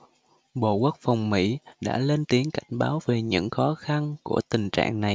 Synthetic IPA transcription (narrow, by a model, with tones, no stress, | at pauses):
ɓo̰˧˨kwu˦˥k̚fa˨˩wŋ͡mmḭ˧˥ɗa̰ː˧˥le˧nt̪i˨˦əŋka˧˩jŋ̟ɓaː˨˦wve˨˩ɲɨ̰˧˥ŋxɔ˨˦xa˧nku˧˩ət̪ï˨˩ŋ̟t͡ɕa̰ː˧˨ŋna˨˩j